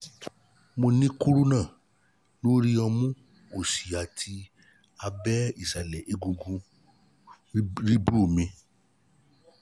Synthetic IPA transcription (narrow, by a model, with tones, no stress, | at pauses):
mo˧nĩ˦ku˦ɾu˦nãː˦˨ | lo˦ɾi˦ɔ˧mũ˦ | o˨si˨a˨tʰi˧ | a˧bɛ˦i˦˨sa˨lɛ˨ʔe˨ɡu˧ɡũ˧ | ɾi˦bɾu˦˨mĩ˧